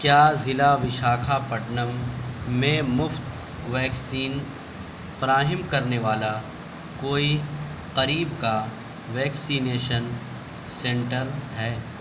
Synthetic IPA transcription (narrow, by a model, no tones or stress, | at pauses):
kjaːzɪlaʋɪʃaːkʰapɐʈnəmː | ẽmʊft̪ | ʋɛːksiːn | fɐɾaːɦɪmkɐɾneʋaːla | koːi | qɐɾiːbka | ʋɛːksiːneːʃən | sɛ̃ɳʈəɾɦɛː